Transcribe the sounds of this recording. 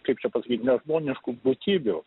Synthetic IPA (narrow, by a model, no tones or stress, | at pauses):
kɐɪp̚t͡ʃʲɛpɐsɐkʲiːt̪ʲnʲɛʒmoːnʲɪʃkubʊt̪ʲiːbʲʊ